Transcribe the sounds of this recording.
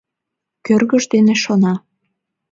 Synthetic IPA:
kørɣə̆ʒd̪eneʃonɑ

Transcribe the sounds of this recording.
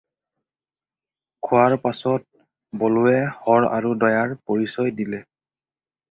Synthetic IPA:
kʰʊwaɹpasɔt̚ | boluwɛhɔɹa̰ɹudɔjaɹpoɹisɔjdilɛ

